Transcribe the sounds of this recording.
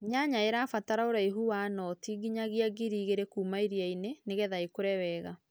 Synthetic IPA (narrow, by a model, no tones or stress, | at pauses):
ɲaɲaeɾaːfataɾaoɾaiɦuwanɔtiɡiɲaɣiaɡiɾiːɣeɾekuːmaiɾiaineneɣɛðaikoɾɛwɛːɣa